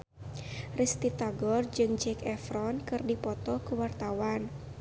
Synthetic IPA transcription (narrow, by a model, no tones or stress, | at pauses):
rist̪it̪aɡɔrd͡ʒɨŋd͡ʒɛkɛfɾɔnkɨrdipɔt̪ɔkuwart̪awan